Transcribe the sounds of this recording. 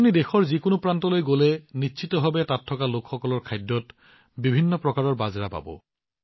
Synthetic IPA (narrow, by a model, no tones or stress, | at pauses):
unidexɔɹzikonopɹantɔlojɡolɛnitʃʰitɔbʱabɛtatʰːɔkalokxɔkɔlɔɹkʰajdːɔt | bibʱinːɔpɹɔkaɹɔɹbazɹapa̰bɔ̰